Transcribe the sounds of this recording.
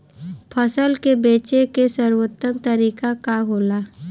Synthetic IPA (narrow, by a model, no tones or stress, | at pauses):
pʰəsəlkebeːt͡ʃekesəɾwot̪ːəmt̪əɾiːkakaɦoːlaː